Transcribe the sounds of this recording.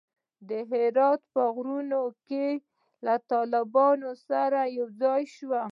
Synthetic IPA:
d̪əɦɪɾɑt̪pəɣɾunoke | lat̪ɑlɪbɑnosaɾajawd͡zɑjʃwa

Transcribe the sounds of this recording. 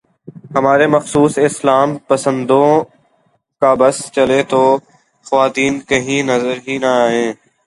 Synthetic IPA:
ɦəmaːɾeːməxsuːsɪslaːmpəsə̃nd̪õ | kaːbəst͡ʃəleːt̪oː | xəʋaːt̪iːnkəɦĩːnəzəɾɦiːnəaːɦẽː

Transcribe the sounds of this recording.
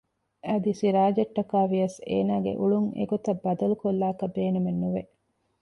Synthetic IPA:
ɐd̪isiɾaːd͡ʒɐʈːɐkaːʋijɐsḛːnaːɡḛʔuɭuŋḛɡot̪ɐbːɐd̪ɐlukolːaːkɐbeːnumenːuʋe

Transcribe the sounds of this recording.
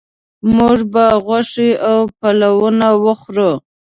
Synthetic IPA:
muʐbaɣwaʂiawpalawənawəxɾo

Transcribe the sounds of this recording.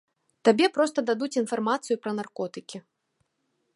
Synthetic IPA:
t̪abʲɛpɾɔst̪ɐd̪ad̪ut͡sʲinfarmat̪sɨjupɾɐnarkɔt̪ɨkʲi

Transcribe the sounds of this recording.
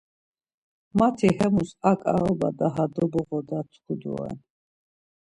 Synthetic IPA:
mat̪ʰihɛmusakʼa̰ɾɔbad̪aɦad̪ɔbɔʁɔd̪at̪ʰχud̪ṵɛ̰n

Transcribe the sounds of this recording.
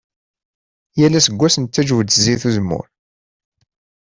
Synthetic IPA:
jælæsəɡʷːæsənt̪ːæd͡ʒvd̪əziθuzmʊ̰ɾ

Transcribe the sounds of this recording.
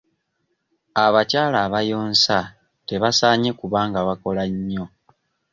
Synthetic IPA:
aβacaːlaβajo̞ːnsa | te̞βasaːɲe̞kuβaːŋɡaβako̞laɲːo̞

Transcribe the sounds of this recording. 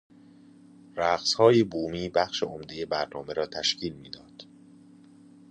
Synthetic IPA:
ɾæɣshɒːjebuːmiːbæxʃeomd̪e̞je̞bæɾnɒːme̞ɾɒːt̪ʰæʃcʰiːlmiːd̪ɒːd̪̥

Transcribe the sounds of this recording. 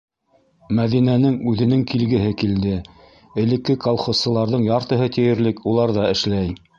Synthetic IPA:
mæðinænɘŋʉðɘ̆nɘŋkilɡɘ̆ɦɘkild̪ɘ | ɘ̆lɘ̆kːɘkolˠχosːɤ̆lˠɑɾðɤɴjɑɾt̪ɤ̆ɦɤt̪ĭjɘ̆ɾlɘkulˠɑɾðɑɘ̆ʃlæj

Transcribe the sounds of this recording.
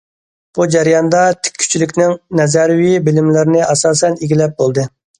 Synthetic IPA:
b̥ud͡ʒɛɾijɑnd̪ɑt̪ʰɪ̥kʲʰːy̥t͡ʃʰilykʲnɪŋnɛzɛɾwibɪlɪmlɪɾɪnɪʔɑsɑːsɛniɡʲilɛp̚bolˠd̪ɨ

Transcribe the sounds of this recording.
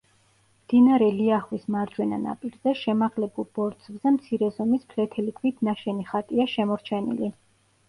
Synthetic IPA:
md̪̥inaɾɛliaχwismaɾd͡ʒwɛna̰na̰pʼiɾzɛʃɛmaʁlɛbulˠb̥ɔɾd̪z̥vzɛmt̪sʰiɾɛzɔmispʰlɛt̪ʰɛlikʰvit̪ʰnaʃɛniχat̪ʼiaʃɛmɔɾt͡ʃʰɛnḭli

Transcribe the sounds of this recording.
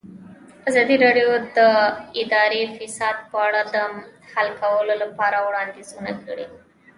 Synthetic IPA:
azɑd̪iɾɑɖjod̪əɪd̪ɑɾefɪsɑd̪̚pəaɽad̪əmhalkawəlolapɑɾawɽɑnd̪izuna̰kəɽḭ

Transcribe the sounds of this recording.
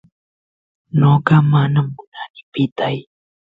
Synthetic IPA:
noːkamaːnambunanipit̪aj

